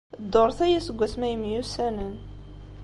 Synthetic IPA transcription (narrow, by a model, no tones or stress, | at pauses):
d̪ːoɾˤθæjæsəɡʷːæθmæjəmjusænən